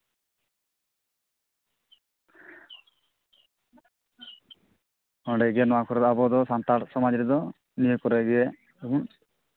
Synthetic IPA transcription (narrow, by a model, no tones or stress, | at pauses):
ɔɖɛɡɛnɔwakʰɔɾɛd̪ɔabɔd̪ɔsant̪aɾsɔmad͡ʒɾɛd̪ɔ | nijkɔɾɛɡɛɛ | u